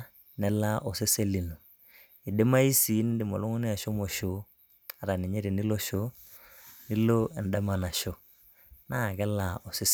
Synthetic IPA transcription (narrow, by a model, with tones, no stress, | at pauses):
nɛ˦la˦ʔɔ˨se˦se˦li˨nu˨ | i˨de˦ma˦i˦si˨˦n˦dɪ˨mɔ˨lɔ˦ŋu˦ni˦a˨ʃɔ˦mɔ˨ʃo˦ | a˨ɾa˨ni˨ɲɛ˦ɾi˨ni˦lo˦ʃo˦ | ni˦lo˦ɛ˨n˨da˦ma˨na˨ʃo˦ | na˦˨kɛ˦la˨ɔ˨se˦s